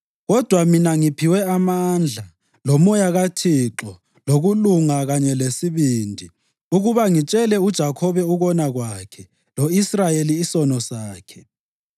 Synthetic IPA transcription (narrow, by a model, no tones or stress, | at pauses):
ɣɔd̥ʱwaminaŋipʰiwɛamand͡ɮʱa | lomɔjaɣatʰiǁɔ | loɣuluŋaɣaɲɛlesiβindʱi | uɣuβaŋit͡ʃʼɛlɛud̥ʒ̥ʱakʰɔβɛuɣɔnaɣwakʰɛ | loisrajeliːsɔnɔsaːkʰɛ̥